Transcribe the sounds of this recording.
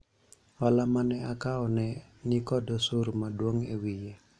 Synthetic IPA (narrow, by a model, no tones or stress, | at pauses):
walamanɛakaɔnɛnikɔdɔsurmaduɔŋewije